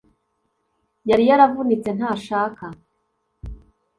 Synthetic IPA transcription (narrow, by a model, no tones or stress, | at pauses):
jaɾijaɾavunit͡se̞n̥haːʃaːka